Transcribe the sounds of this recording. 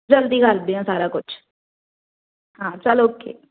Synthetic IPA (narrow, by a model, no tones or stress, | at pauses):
d͡ʒəld̪iːɡald̪eɦãːsaːɾaːkʊt͡ʃʰ | ɦãːt͡ʃəloːkḛː